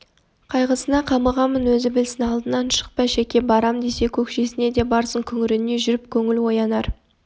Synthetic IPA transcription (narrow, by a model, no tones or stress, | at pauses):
qʰɑjʁəsənɑqʰɑməʁɑmːənwɵzɪbɪlsɪnɑlˠd̪ənɑnʃə̥q̚pɑʃekʲe̞bɑɾɑmd̪e̞se̞kʲʰɵkʃe̞sɪne̞d̪e̞bɑɾsəɴkʲʰʏŋɪɾɪne̞ʒʏɾɪp̚kʲʰɵŋɪlwo̞jɑnɑɾ